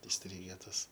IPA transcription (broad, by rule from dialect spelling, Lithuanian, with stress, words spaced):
ɪsʲˈtʲrʲiːɡʲɛ ˈtɐs